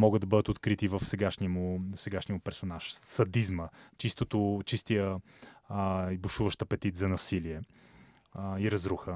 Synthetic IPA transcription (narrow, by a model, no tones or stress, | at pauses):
mɔɡəd̪ɐbɤəd̪ət̪ot̪kɾit̪ivəfsɛɡaʃniəmʊsɛɡaʃniəʊpɛɾsonaʃsɐd̪izmət͡ʃist̪ot̪ʊt͡ʃist̪ijə | ibuʃuvəʃt̪əɐpɛt̪it̪zɐnɐsiliɛ | iɾɐzɾuxə